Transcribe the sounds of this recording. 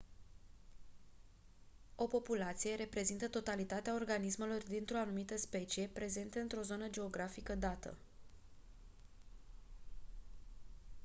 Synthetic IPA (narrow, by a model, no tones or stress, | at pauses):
o̞po̞pulat̪sije̞ɾe̞pɾe̞zint̪ət̪o̞t̪alit̪at̪eao̞rɡanismelord̪int̪ɾo̞anumit̪əspe̞t͡ʃije̞pɾe̞ze̞nt̪eɨnt̪ɾo̞zo̞nəd͡ʒe̞o̞ɡɾafikəd̪at̪ə̰